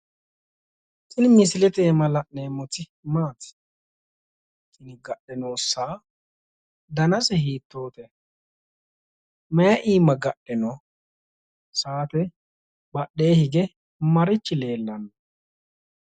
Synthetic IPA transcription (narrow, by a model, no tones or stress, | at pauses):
tʼɪnɪmɪsɪlɛt̪eːmɐlɐʔeːmɔt̪ɪ | maːt̪ɪ̥ | t͡ʃʼɪnɪɡɐɗɛnoːsaː | d̪ɐnɐsɛhiːt̪ːo̞ːt̪ɛ | mɛjɐʔiːmːɐɡɐɗɛnɔ | saːt̪ɛ | bɐɗːe̞ːhɪɡɛ | mɐɾɪt͡ʃːɪle̞ːlːɐnːɐ